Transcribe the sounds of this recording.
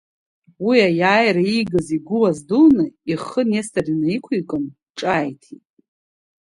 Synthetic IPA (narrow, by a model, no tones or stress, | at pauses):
wiajaːjɾaiɡɨziɡʷʊlazdulnɨiχənestʰʼarinaikʷʰujkʼɨn | ʈ͡ʂʼajtʰitʼ